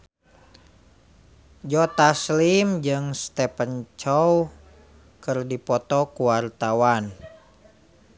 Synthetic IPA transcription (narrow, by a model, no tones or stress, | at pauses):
d͡ʒɔt̪aslimd͡ʒɨŋst̪ɛpənt͡ʃɔw | kɨrdipɔt̪ɔkuwart̪awan